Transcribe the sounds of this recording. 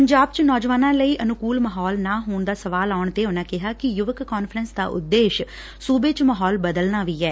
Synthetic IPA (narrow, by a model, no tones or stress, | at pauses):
pəɲd͡ʒaːb̚t͡ʃnɔːd͡ʒʋaːnãːləiːʔənʊkuːlməɦɔːlnãːɦoːɳd̪aːsəʋaːlaːʊɳt̪eːʊnãːkɪɦaːkɪjʊʋəkːɔːnfʰɾənsd̪a̰ːʔʊ̰d̪ːeːʃ | suːbeːt͡ʃməɦɔːlbəd̪əlnaːʋiːɛː